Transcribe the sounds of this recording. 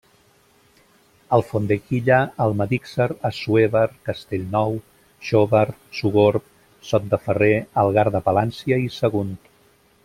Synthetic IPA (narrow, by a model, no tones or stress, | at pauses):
əlˠfond̪ekiʎaːlˠməðiksəɾəsueβəɾkəst̪eʎnɔw | ʃoβəɾsuɣoɾp | sɔt̪̚d̪əfəreəlˠɣaɾðəpəlansiəisəɣunt̪